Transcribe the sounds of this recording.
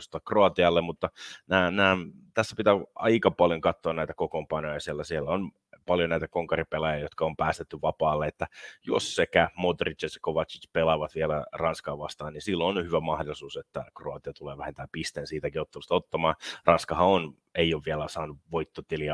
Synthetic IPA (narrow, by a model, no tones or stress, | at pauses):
st̪ɑkroɑt̪iɑlːemmut̪ːɑnæːnæːt̪æsːæpit̪æɑ̰ikɑpɑljoŋkɑt̪ːoɑnnæit̪ækokompɑnojɑsielːæsielːæon | pɑljonæjt̪ækoŋkɑripelɑjɑjot̪kɑompæːst̪et̪ːyʋɑpɑːlːeet̪ːæjo̰ssekæmod̪rit͡ʃjɑse̥koʋɑt̪t͡ʃi̥t͡ʃpelɑʋɑt̪ʋielærɑnskɑːʋʋɑst̪ɑːninsilːoonhyʋæmɑhdolisuːset̪ːækroɑt̪iɑt̪uleːʋæhent̪æːmpist̪eːnsiːt̪ækiot̪ːɑlust̪ɑot̪ːɑmɑːrɑnskɑhɑon | eioːʋʋielæsɑːnuʋoit̪ːot̪iliɑ